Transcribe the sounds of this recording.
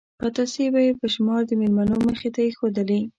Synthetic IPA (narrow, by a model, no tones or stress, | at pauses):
pat̪asebajepəʃmɑɾd̪əmelmanoməxet̪ajexod̪əli